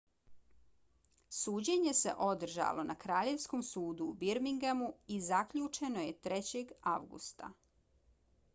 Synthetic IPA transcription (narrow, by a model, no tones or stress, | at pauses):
suːd͡ʑeɲe̞se̞̰ʔo̞d̪r̩ʒa̰lo̞nʔakɾaːʎe̞ʋsko̞msuːd̪uːbiɾmiŋɡemuizakʎut͡ʃe̞no̞je̞t̪ɾet͡ɕe̞ɡaʋɡṵst̪a̰